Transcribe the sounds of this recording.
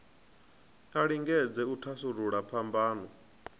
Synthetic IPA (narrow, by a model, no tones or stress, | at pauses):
aɺiŋɡɛd͡zɛutʰasuɾuɺapʰambaːnɔ